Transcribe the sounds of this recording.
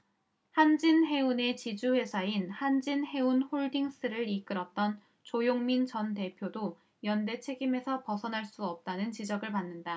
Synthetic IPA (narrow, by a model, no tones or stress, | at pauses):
hand͡ʑinɦe̞une̞t͡ɕid͡ʑuhwe̞sʰainhand͡ʑinhe̞unhoɭdiŋs͈ɯɾɯɾik͈ɯɾʌt͈ʌn | t͡ɕojoŋmint͡ɕʌnte̞pʰjodo | jʌnde̞t͡ɕʰe̞ɡime̞sʰʌpʌsʰʌnɦaɭs͈uʌp̚t͈anɯnt͡ɕid͡ʑʌɡɯɭpanːɯnda